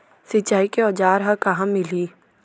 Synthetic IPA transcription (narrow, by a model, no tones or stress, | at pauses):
sɪt͡ʃːaːikeɔːd͡ʒaːɾɦɐkɐɦãmɪliː